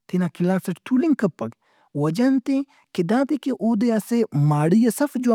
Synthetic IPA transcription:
t̪ʰinakʰilaːsɐʈt̪ʰuliŋɡkɐpːɐɡ | wɐd͡ʒɐnt̪e | kid̪ãːt̪ikeʔoːd̪easemaːɽijɐsɐfd͡ʒo

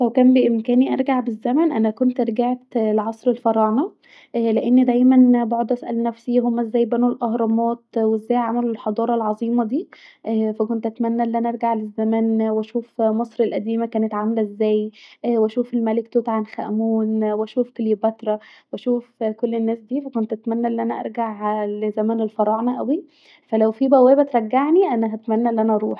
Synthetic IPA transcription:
sæwkæːmbeʔemkæːniʔɑ̰ɾˤɡaʕbezːæmænʔænækont̪ɾɡeʕt̪leʕɑsˤɾelfɑɾˤɑːnɑ | leʔenːid̪æjmænboʕod̪ˤʔæsʔæ̰lnæfsiɦomːæʔezːæːjbænulʔɑhɾˤɑmɑːt̪wezːæːjʕamælulħɑd̪ˤɑːɾˤɑlʕɑzˤiːmɑd̪iːʔfækont̪ʔæt̪mænːæʔlːʔænæʔɑɾɡaʕlezːæmænwæʃuːfmɑsˤɾelʔæd̪iːmækæːnet̪ʕamælæʔezːæːjwæʃuːfelmælekt̪ot̪ʕanxæ̰ʔmuːnwʃuːfkeljbæt̪ɾˤɑwæʃuːfkolːenːæːsd̪iːfækont̪ʔæt̪mænːæʔelːiʔænæʔɑ̰ɾˤɡaʕlezæmæːnelfɑɾˤɑːʕnæʔæwi | fælæwfibæwæːbæt̪ɾˤæɡːaʕniʔænæɦæt̪mænːæʔelːʔænæʔɑɾˤuːħ

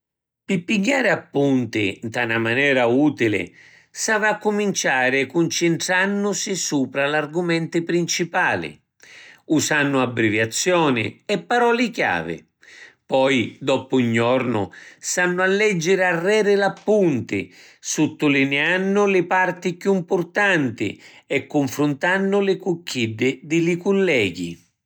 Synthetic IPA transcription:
pɪpːiɡːaːɾɪapːunt̪ɪ̰nt̪anamanɛːɾauːt̪ilɪ̰ | savaakːʊmint͡ʃaːɾɪɛkːʊnt͡ʃɪnt̪ɾanːʊsɪsuːpɾalarɡumɛnt̪ɪpɾint͡ʃipaːlɪ̰ | usanːʊabːɾivjat̪sːjɔːnɪ̰ɛpːaɾɔːlɪkja̰ːvɪ̰ | pɔjd̪ɔpʊiɲːɔrnʊ̰sanːʊalːɛd͡ʒːɪɾarːɛːɾɪlapːunt̪ɪ̰ | sʊt̪ːʊlinɛanːʊlɪpart̪ɪkjuimpʊrt̪ant̪ɪ̰ɛkːʊɱfɾʊnt̪anːʊlɪkukːid̪ːɪd̪ɪlɪkʊlːɛːɡḭ

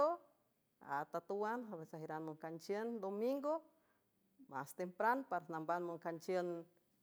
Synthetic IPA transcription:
o | a̰t̪at̪uwanɦaβesaɦiɾanmoŋkant͡ʃjənd̪omiŋɡo | mast̪empɾanpaɾanambanmoŋkant͡ʃjən

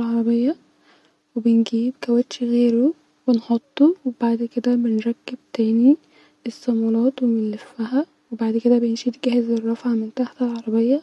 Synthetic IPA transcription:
lʕɑɾˤɑbejːæ | webenɡiːbkæwæt̪ʃiɣeːɾu | wenħot̪ˤːowebaʕd̪ked̪æbenɾˤɑɡːeb̚t̪æːni | esːɑmɑlɑːt̪wemelːefːæɦæ | webaʕd̪ked̪æbejenʃit̪ɡæhezerˤːɑfʕɑment̪aħt̪ælʕɑɾˤɑbejːæ

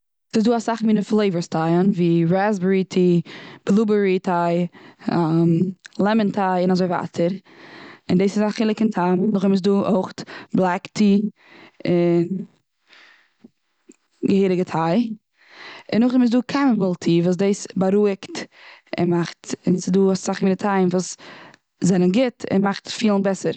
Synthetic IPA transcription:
sɪzduːasaχminəflˠeɪvəɹstʰaɪənviːɹazbəɹitʰib̥lˠubəɹitʰaɪamlˠɛməntʰaɪɪnazoɪva̰tʰəɾ | ɪndiːsɪzaχɪlˠɪkɪntʰamnʊχɪmɪs̬duːʔoɪχtblˠaktʰi | ɪn | ɡəhiːɾɪɡətʰaɪ | ɪnːʊχɪmɪs̬duːkʰanəmɪlˠtʰiːvuːs̬deːsbaɾuɪktɪ̰nmaχtɪnsɪduːassaχmiːnɪtʰaɪnvuːs | zɛnənɡɪtɪ̰nmaχtfiːlˠnbɛsəɾ

